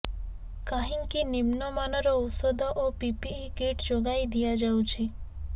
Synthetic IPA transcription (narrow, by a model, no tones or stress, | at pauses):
kaɦĩŋkinimnɔmanɾoʊsod̪ɔʔopipiːkeʈd͡ʒoɡaid̪ijad͡ʒaut͡ʃʰi